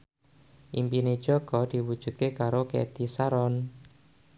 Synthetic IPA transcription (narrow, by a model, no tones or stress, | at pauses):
ʔimpined̥ʒ̥ɔ̤ɡ̥ɔd̪̥i̤wud̥ʒ̥ṳt̪̚kekaɾokɛ̰t̪isaɾɔn